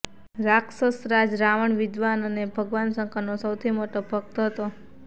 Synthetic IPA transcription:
ɾaksəsɾad͡ʒɾaʋəɳʋɪd̪ʋanənebʱəɡʋansə̃ŋkanosəwt̪ʰimoʈobʱək̚t̪əɦət̪o

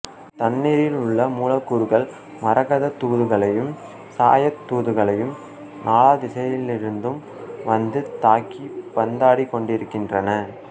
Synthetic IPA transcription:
t̪ɐnːiːɾɪlʊɭːɐmuːlɐkːuɾɯɣɐɭ | mɐɾɐɣɐðɐt̪ːuːðɯɣɐɭɐjɯm | sa̰ːjɐt̪ːuːðɯɣɐɭɐjɯm | nʔaːlaːd̪ɪsɐjɪlɪɾɯnd̪ɯm | ʋɐnd̪ɯt̪aːkːipɐnd̪aːɽikːɔɳɖɪɾɯkːɪndrɐnɐ

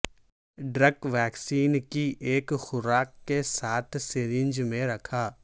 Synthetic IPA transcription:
ɖɾəkʋɛːksiːnkiʔeːkxʊɾaːkːesaːt̪ʰseɾɪ̃nd͡ʒmẽɾɐkʰaː

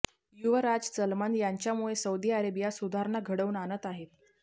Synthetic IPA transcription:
juʋəɾad͡zt͡səlmənjaɲt͡ɕjamuɭesəwd̪iaɾebijasud̪ʱaɾnaɡʱəɽəuːnanət̪aɦet̪

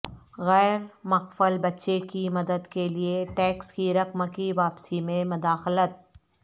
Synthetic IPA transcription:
ɣɛːɾmɐqfəlbɐtːʃekimɐd̪əd̪kelieʈɛːkskiɾɐqmkiʋaːpsimẽmʊd̪aːxlət̪̚

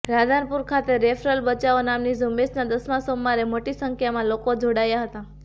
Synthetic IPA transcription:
ɾad̪ʱanpuɾkʰat̪eɾefɾəlbət͡ʃaonamnizumesnad̪əsmãsomːaɾemoʈisəŋkʰjamãlokod͡ʒʱoɽajaɦət̪a

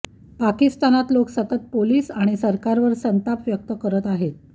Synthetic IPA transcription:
pakist̪anat̪loksət̪ət̪̚poliːsaɽ̃isəɾkaɾʋəɾsənt̪apʋjək̚t̪əkəɾət̪aɦet̪̚

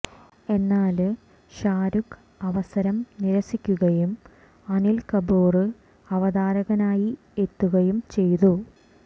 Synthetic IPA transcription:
e̞nːaːl | ɕaːɾuk | ɐʋɐsɐɾɐmniɾɐsikʲːuɣɐjum | ɐnilkɐboːrɨ | ɐʋɐðaːɾɐɣɐnaːji | e̞t̪ːuɣɐjumt͡ɕe̞jt̪u

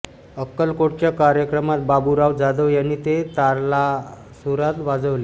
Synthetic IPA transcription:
əkːəlkoʈ̚t͡ɕjakaɾjəkɾəmat̪̚babuɾaʋd͡zad̪əʋjanːiːt̪et̪aɾla | suɾat̪ʋad͡zəʋle

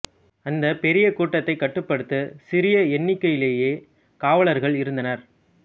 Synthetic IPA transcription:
ɐnd̪ɐpɛɾɪjɐkuːʈːɐt̪ːɐɪkːɐʈːɯpːɐɽɯt̪ːɯsɪɾɪjɐɛɳːɪkːɐjɪleːjeː | kaːʋɐɭɐɾɣɐɭɪɾɯnd̪ɐnɐɾ

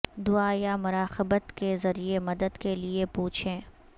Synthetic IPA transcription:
d̪ʊaːjamʊɾaːxɪbət̪kezɐɾiemɐd̪əd̪keliepuːt͡ʃʰẽː

